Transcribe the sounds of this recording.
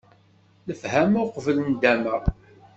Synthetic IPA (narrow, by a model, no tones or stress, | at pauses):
ləfhæmʊqvələnd̪æməʁ